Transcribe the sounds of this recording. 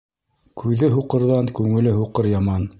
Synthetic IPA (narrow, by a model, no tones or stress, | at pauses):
kʰʉðɘɦuqɤ̆ɾðɑŋkʉŋɘ̆lɘɦuqɤɾjɑmɑn